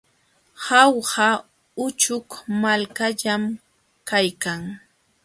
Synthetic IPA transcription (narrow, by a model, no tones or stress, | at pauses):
hawha | ʊt͡ʃʊkmalkaʎam | kajkaŋ